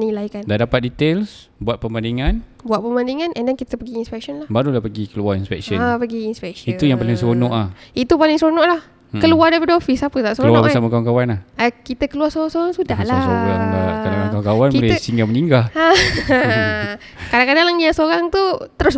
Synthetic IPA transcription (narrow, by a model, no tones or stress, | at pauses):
nilajkandadapat̪̚dit̪els | buat̪̚pəmandiŋanbuat̪̚pəmandiŋanɛndɛnkit̪əpəɡiːnspɛk̚sɔnlahbaɾulahpəɡikəluaɾinspɛ̰k̚səapəɡiːnspɛk̚sit̪ujaŋpalɪŋsɾonɔʔlahit̪upalɪŋsəɾonɔʔlah | kəluadapədofisapət̪aʔsəoəlunɔbʔəsamakawankawanlahakit̪əkəluaɾsoɾasoɾaŋsudahlasoɾaŋlakalaaŋkawaŋkawanbulɛhsiŋɡaməɲiŋɡaa | kadaŋkadaŋlaŋjasoɾaŋt̪ut̪əɾʊs